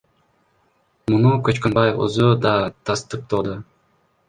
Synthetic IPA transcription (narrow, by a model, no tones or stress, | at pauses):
munukøt͡ʃkønbɑjṵzud̪ɑt̪ʰɑst̪ɯq̚t̪ʰod̪ɯ